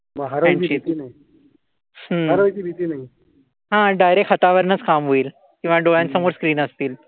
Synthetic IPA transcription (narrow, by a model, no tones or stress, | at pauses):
məɦaɾɛ̃ɳit̪iːnaɦi | ɦəɾat͡ɕiːbʱit̪iːnaɦi | ɦãɖajɾekʰət̪aʋəɾnət͡skamɦoiːl | kĩw̃ʋaɖoɭjansəmoɾskɾiːnəst̪iːl